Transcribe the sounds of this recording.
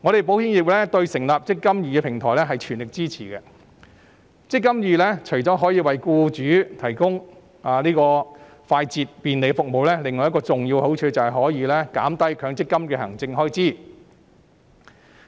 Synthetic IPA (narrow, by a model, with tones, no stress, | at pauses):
ŋɔː˨˧ɾe˨˩jpo˨˥whi˥ŋjiː˨˩p̚lɛ˥t̪ɵ˧ɥsɪ˨˩ŋlaː˨p̚t͡sɪ˥kːɐ˥mjyː˨kɛ˧pʰɪ˨˩ŋt̪ʰɔː˨˩jlɛ˥ɦɐ˨jt͡ʃʰyː˨˩nlɪ˨k̚t͡siː˥t͡sʰiː˨˩kɛ˧ | t͡sɪ˥kːɐ˥mjyː˨lɛː˥t͡ʃʰɵ˨˩jt͡sɔː˨˥ɦɔː˨˥jiː˨˧wɐ˨jkuː˧t͡ʃyː˨˥t̪ʰɐ˨˩jkʊ˥ŋ | aː˨˧niː˥kɔː˧ | faː˧jt͡siː˨t̚piː˨˩nle˨jkɛfʊ˨k̚mo˨wlɛː˥lɪ˨ŋɔː˨jkɔː˧t͡sʊ˨ŋji˧who˨˥wt͡ʃʰøː˧t͡sɐ˨whɐ˨jɦɔː˨˥jiː˨˧lɛː˥ka̰ː˨˥mt̪ɐ˥jkʰœː˨˥ŋt͡sɪ˥kːɐ˥mkɛː˧hɐ̰˨˩ŋt͡sɪ˧ŋɦɔː˥jt͡siː˥˩